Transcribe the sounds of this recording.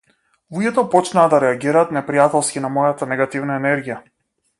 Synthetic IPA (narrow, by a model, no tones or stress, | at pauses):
uɡʲɛt̪ɔpɔt͡ʃnaːd̪aɾɛaɡiɾaːt̪nɛpɾijat̪ɛlˠskʲinamɔjat̪anɛɡat̪ivnaɛnɛɾɡija